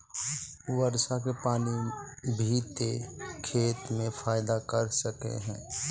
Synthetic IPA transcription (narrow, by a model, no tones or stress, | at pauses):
ʋəɾsak̬epaːnibʱit̪ekʰeːt̪mẽpʰaːɪd̪akəɾsəkḛɦɛ̰̃ː